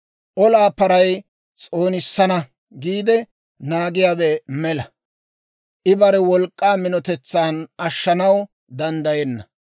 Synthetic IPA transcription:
ʔɔlaːpɐɾɐj | t͡sʼo̞ːnɪsːɐnɐ | ɡiːd̪ɛ | naːɡɪjaːbɛmɛlɐ | ʔɪbɐɾɛwɔlkʼːaːmɪnɔt̪ɛt͡sːaːnɐʃːɐnɐw | d̪ɐnd̪ɐjɛnːɐ̰

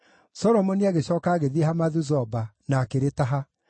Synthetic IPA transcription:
sɔɾɔmɔneaɣeɕɔːkaːɣeðiehamaðuzɔbanakeɾetaɦa

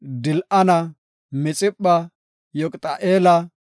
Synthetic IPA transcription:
d̪ɪlʔɐnɐ | mɛt͡sʼɪpʼːɐ | jɔkʼt̪ʼɐʔeːlɐ

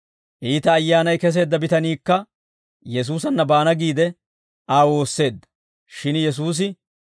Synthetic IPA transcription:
ʔiːt̪ɐːjːaːnɐjkɛs̬e̞ːd̪ːɐbɪt̪ɐniːkːɐ | jɛs̬uːsɐnːɐbaːnɐɡiːd̪ɛ | ʔaːwo̞ːsːe̞ːd̪ːɐ̥ | ʃɪnjɛs̬uːs̬ɪ

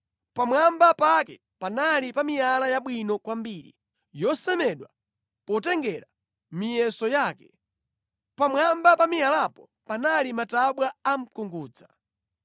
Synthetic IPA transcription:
pamwambapakɛ | panalipamijalajaɓwinɔkwambiːɾḭ | jɔsɛmɛɗwa | pɔtɛŋɡɛɾa | mijɛsɔjaːkɛ̥ | pamwambapamijalapɔ | panalimataɓwaam̩kuŋɡuːd͡za

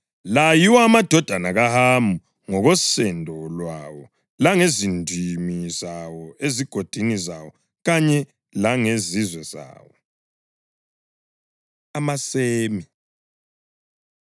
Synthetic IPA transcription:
lajiwaːmad̥ʱɔd̥ʱanaɣahambʱu | ŋɔɣɔsɛndʱɔlwawɔ | laŋezindʱimizawɔeziɡ̥ʱod̥ʱinizawɔ | ɣaɲɛ | laŋezizwɛz̥a̰ːwɔ | amaseːmi

